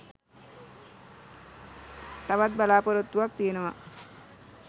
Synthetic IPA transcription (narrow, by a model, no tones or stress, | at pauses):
t̪aʋat̪̚balaːpoɾot̪ːuʋak̚t̪ijenəʋa̰